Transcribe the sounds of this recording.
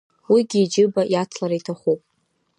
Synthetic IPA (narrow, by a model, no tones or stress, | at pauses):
wiɡʲiːd͡ʒɨbajat͡sʰlaɾaitʰaχʷupʼ